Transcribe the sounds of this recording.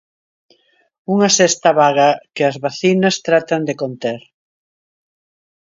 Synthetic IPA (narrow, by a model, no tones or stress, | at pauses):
uŋɐsɛst̪ɐβaɣɐkɪɐzβaθinɐst̪ɾat̪ɐnd̪ekont̪eɾ